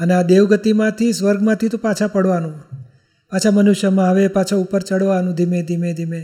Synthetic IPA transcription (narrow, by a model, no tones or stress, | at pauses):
ənead̪eʋɡət̪imãt̪ʰisʋəɾɡmãt̪ʰit̪opat͡ʃʰapəɽʋanũ | pat͡ʃʰamənuʃjəmãʋepat͡ʃʰaupəɾt͡ʃəɽʋanũd̪ʱimẽd̪ʱimẽd̪ʱime